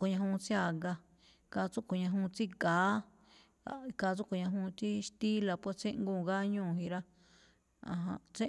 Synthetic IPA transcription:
ko˨ɲã˧ɦũ˧t͡sja˧˨ɡa˧ | ka˧t͡su˦ko˨ɲã˧ɦũ˧t͡si˦ɡaː˨˦ | a˧ka˧t͡su˦ko˨ɲã˧ɦũ˧t͡si˦ʃt̪i˦la˧pwa˦t͡sẽ˦ŋɡũː˧˨ɡa˦ɲũː˦˨ɦi˧ɾa˦ | ã̰˧ɦã̰˧t͡sẽ˦

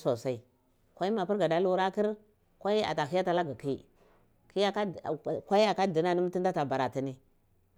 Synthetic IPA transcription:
so˨sa˨i˨ | kʷa˦i˦ma˨pi˦ɾɡa˨da˨lu˦ɾa˦ki˦ɾ | kʷa˦i˦a̰˨ta˨ɦi˦ja˦ta˨la˦ɡa˨ki˦ | ki˦ja˦ka˦˨kʷa˦i˦a˨ka˦di˨na˦ni˦m˦ti˦nda˦ta˨ba˨ɾa˨ti˨ni˦

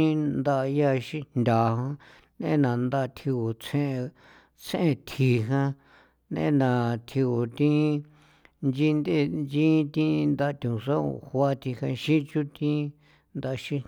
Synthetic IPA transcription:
i˦nd̪a˧ʔja˦˧ʃĩ˦nd̪ʲa˨ɦã˦ | nḛ̃˦nã˨nd̪a˦˧t̪ʰi˧o˨t͡sʰẽ˦˧ | t͡sʰẽ˧t̪ʰi˨ɦã˦ | nḛ̃˦nã˨t̪ʰi˧o˨t̪ĩ˦ | nd͡ʒi˦nd̪e˦nd͡ʒĩ˦t̪ĩ˦nd̪a˧t̪ʲũ˨sã˦o̰˨hwa˦t̪i˧hã˧ʃĩ˦t͡ʃu˦t̪ĩ˦ | nd̪a˧ʃĩ˦

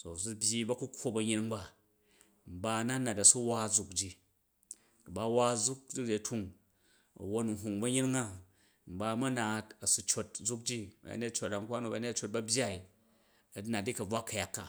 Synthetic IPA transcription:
so˨su˦bʲji˦bɐ˦ku˦kʰʷːo˦bɐ˨ɲi˦ɾi˦ŋba˦˨ | m̩˨ba˦˧na˦nːa˨tɐ˨su˦wa˦d͡zu˨kd͡ʒi˦ | ku˨ba˦wa˦d͡zu˦k̚d͡ʒi˦d͡ʒi˨tʰu˦ŋ | ɐ̰˨wo˦nu˨ɦu˨ŋbɐ˦ɲi˦ɾi˦ŋa˦ | m̩˨ba˦mɐ˦na˨tɐ˨su˧t͡ʃo˧t̚d͡zu˦k̚d͡ʒi˦b̰a̰˦ne˦tt͡ʃo˨t̚a˨ŋkʷa˦nu˨ba˨˦ne˦t͡ʃo˨t̚bɐ˦bʲja˦i˨ | ɐ˨˦na˨t̚ːi˦kɐ˨b͡va˦kːɐ˨ja˨kːa̰˨

